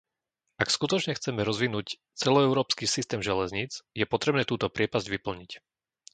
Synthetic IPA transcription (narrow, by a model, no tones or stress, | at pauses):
ʔakskut̪ɔt͡ʃɲɛxt͡sɛmɛɾɔzʋinuːc | t͡sɛlɔɛʊɾɔːpskisist̪ɛːmʒɛlɛzɲit͡sjɛpɔt̪ɾɛbnɛːt̪uːt̪ɔpɾɪɛpazɟʋipl̩ɲic